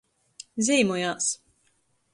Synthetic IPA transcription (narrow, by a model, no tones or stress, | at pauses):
zʲiːmujaːs